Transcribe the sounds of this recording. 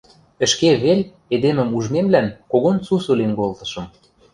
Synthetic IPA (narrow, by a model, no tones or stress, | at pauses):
ə̆ʃkeβelʲ | ed̪emə̆muʒmemlænkoɣont͡susulenkolt̪ɤ̥̆ʃɤ̆m